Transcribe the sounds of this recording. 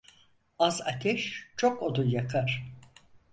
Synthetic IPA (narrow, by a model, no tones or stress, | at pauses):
aza̰t̪ʰɛʃt͡ʃʰokod̪ujakʰaɾ̥